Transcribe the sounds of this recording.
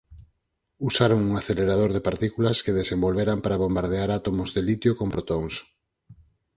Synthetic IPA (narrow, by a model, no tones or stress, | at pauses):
usaɾoŋuŋaθeleɾað̞oɾðɪpaɾt̪ikulaskeð̞esembolβeɾampaɾaβombaɾðeaɾat̪omʊzðelit̪jokompɾot̪oŋs